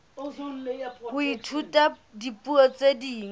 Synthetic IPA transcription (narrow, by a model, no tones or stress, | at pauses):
hʊitʰutʼa | dipʼuɔt͡sʼediːŋ